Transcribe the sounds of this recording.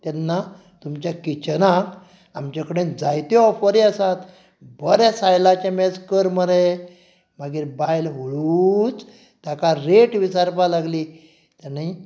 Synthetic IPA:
t̪ɛnːa | t̪umt͡ɕjakit͡ɕənãk | amt͡ɕakəɽẽd͡zajt̪eɔfəɾiəsat̪ | bəɾasajlat͡ɕamɛd͡zkəɾməɾe | maɡiːɾbajlɦoɭut͡s | t̪jakaɾeʈʋisaɾpalaɡli | t̪anai

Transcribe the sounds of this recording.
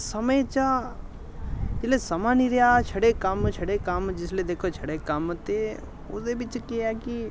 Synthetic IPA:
səməjt͡ʃa | lesəmaniɾjat͡ʃʰəɽekamt͡ʃʰəɽekaːmd͡ʒɪsled̪eːkʰot͡ʃʰəɽekaːmt̪e | ʊ̰sebit͡ʃkiaki

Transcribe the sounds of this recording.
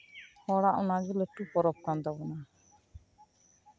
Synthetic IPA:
hɔɽaʔɔnad͡ʒulɛʈupɔɾɔp̚kand̪abɔna

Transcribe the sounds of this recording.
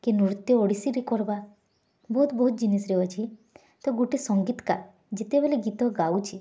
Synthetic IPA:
kenuɾut̪jɔoɽisiɾikɔɾba | bɔɦut̪bɔɦut̪̚d͡ʒinisɾeɔt͡ʃʰi | t̪ɔɡuʈesɔŋɡit̪ka̰ | d͡ʒet̪ebeleɡit̪ɔɡawt͡ʃʰi

